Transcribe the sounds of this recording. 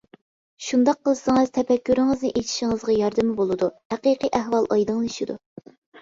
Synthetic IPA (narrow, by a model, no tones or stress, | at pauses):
ʃund̪ɑqʰːəlˠɨsɨŋɨz̥t̪ʰɛfɛkʲʰːyɾɪŋɨznɨʔet̪ʰi̥ʃɪŋəzʁɑjɑɾd̪ɨmɪbolˠɨd̪uhæqiqiʔæɦwɑlˠʔɑjd̪ɨŋeʃɪd̪ṵ